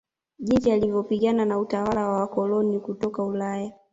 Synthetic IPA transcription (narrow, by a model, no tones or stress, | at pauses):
ʄitialivɔpiɠananautawalawawakɔlɔnikutɔkaulaja